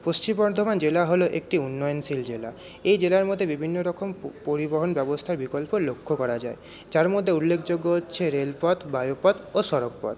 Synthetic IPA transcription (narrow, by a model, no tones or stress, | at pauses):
post͡ɕimbɔɾd̪ʱomand͡ʑelaɦoloʔek̚ʈiunːɔjonsild͡ʑela | ejd͡ʑelaɾmod̪ʱːebibʱinːoɾɔkʰompoɾiboɦonbɛbost̪ʰaɾbikolpoɾlokʰːokɔɾad͡ʑae | d͡ʑaɾmod̪ʱːeulːekʰd͡ʑoɡːootːɕʰeɾelpɔt̪bajopɔd̪oʃɔɾokpɔ̰t̪